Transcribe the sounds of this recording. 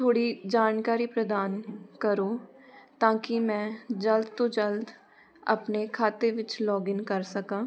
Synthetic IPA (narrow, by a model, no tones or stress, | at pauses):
t̪ʰoːɽid͡ʒaːnkaːɾipɾəd̪aːnkəɾoː | t̪ãːkimɛ̃ːd͡ʒəld̪t̪oːd͡ʒəld̪ | ə̰pnekʰaːt̪eʋɪt͡ʃlɔːɡɪnkəɾsəkãː